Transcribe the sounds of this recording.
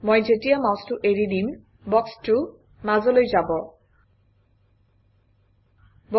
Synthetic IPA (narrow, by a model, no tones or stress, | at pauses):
mɔjd͡ʑeʈiamawsʈuʔeɾid̪in | bɔksʈu | mazolojd͡ʑabɔ | b